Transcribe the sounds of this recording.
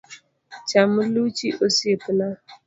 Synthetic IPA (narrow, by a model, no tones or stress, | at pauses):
t͡ʃamʊlut͡ʃiʔosiepina